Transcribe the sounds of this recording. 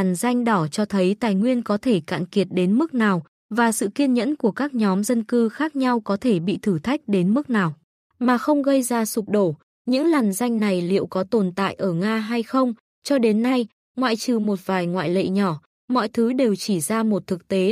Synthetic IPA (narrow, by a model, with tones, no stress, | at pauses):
a˨˩nza˧jŋ̟ɗɔ˧˩t͡ɕɔ˧t̪ʰə˨˦jt̪aː˨˩jŋwi˧ənkɔ˨˦t̪ʰe˧˩ka̰ː˧˨nki˨˩ət̚ɗe˨˦nmɨ˦˥k̚naː˨˩w | vaː˨˩sɨ̰˧˨ki˧ənɲə̰˧˥nku˧˩əkaː˦˥k̚ɲɔ˨˦mzə˧nkɨ˧xaː˦˥k̚ɲa˧wkɔ˨˦t̪ʰe˧˩ɓḭ˧˨t̪ʰɨ˧˩t̪ʰa˦˥jk̟̚ɗe˨˦nmɨ˦˥k̚naː˨˩w | maː˨˩xə˧wŋ͡mɣə˧jzaː˧su˨˩k͡p̚ɗo˧˩ | ɲɨ̰˧˥ŋlaː˨˩nza˧jŋ̟na˨˩jlḭ˧˨əwkɔ˨˦t̪o˨˩nt̪a̰ː˧˨jʔəː˧˩ŋaː˧ɦa˧jxə˧wŋ͡m | t͡ɕɔ˧ɗe˨˦nːa˧j | ŋwa̰ː˧˨jt͡ɕɨ˨˩mo˨˩t̚vaː˨˩jŋwa̰ː˧˨jlḛ˧˨ɲɔ˧˩ | mɔ̰˧˨jt̪ʰɨ˨˦ɗe˨˩wt͡ɕi˧˩zaː˧mo˨˩t̚t̪ʰɨ˨˩k̚t̪e˨˦